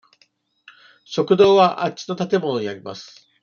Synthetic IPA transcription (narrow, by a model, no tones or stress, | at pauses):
ɕo̞kɯ̟d̪o̞ːβaʔat͡ɕi̥no̞t̪at̪e̞mo̞no̞ɲ̟iaɾʲima̰sɨ̥